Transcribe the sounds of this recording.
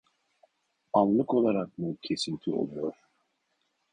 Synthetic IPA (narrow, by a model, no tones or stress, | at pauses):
anlˠɯko̞lˠaɾak̚mucʰe̞sint̪ʰio̰lˠujoɾ̥